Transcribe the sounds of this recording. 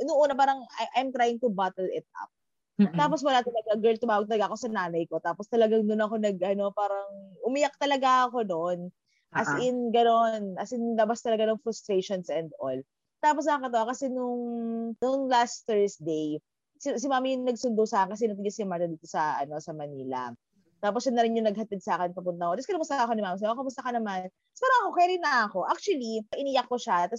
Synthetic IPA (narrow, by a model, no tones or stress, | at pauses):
nʊŋʔuːnɐpaːɾɐŋʔɐjmt̪ɾajɪŋt̪ʊbat̪ɛlɛt̪̚ʔɐ̰p̚ | t̪aːpos̬wɐlat̪ɐlɐɡaɡɛ˞lt̪ʊmaːwɐɡ̚t̪ɐlɐɡaʔɐko̞sɐnaːnɐjko̞t̪aːpost̪ɐlɐɡaŋd̪ʊnɐko̞nɐɡʔɐno̞paːɾɐŋʔʊmijɐk̚t̪ɐlɐɡaɐko̞non | ʔɐsɪnɡɐno̞nɐsʔɪnlɐbast̪ɐlɐɡanɐŋfɾʊst̪ɾeʃonsʔɛnd̪o̰l | t̪aːpos̬nɐɐŋkɐt̪ɐwakɐsɛnʊŋnʊŋlasθɛɹsd̪ej | sɪsɪmaːmijʊŋnɐɡsʊnd̪osaːkɐnkɐsɛnɐt̪̬ɪɡɐsɪmaɹt̪ɐd̪iːt̪osɐʔɐ̰no̞sɐmɐniːlɐ̰ | t̪aːposɐdnːɐɾɪnjʊŋnɐɡ̚hɐt̪id̪̚saːkɛnpɐpʊnt̪ɐŋoɛskɐnɐmʊst̪ɐɐkonɪmaːmɐs̬ɐmɐpɐmʊst̪ɐkɐnɐman | spaːɾɐŋɐkokɛɾɪnɐɐko̞ʔak̚t͡ʃuwɐliʔɪnɪjɐkːoʃat̪ɐs